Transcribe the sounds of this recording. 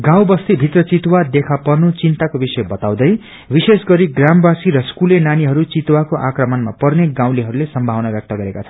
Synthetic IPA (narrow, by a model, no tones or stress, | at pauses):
ɡãw̃bʌst̪ibʱit̪rʌt͡sit̪wad̪ekʰapʌrnut͡sint̪akobisʌjbʌt̪aw̃d̪ʌj | bisesɡʌɾiɡrambasiɾʌskulenaniɦʌɾut͡sit̪wakoʔakrʌmʌnmapʌrneɡãw̃liɦʌɾulesʌmbʱawnabjʌk̚t̪ʌɡʌɾekat͡sʰʌn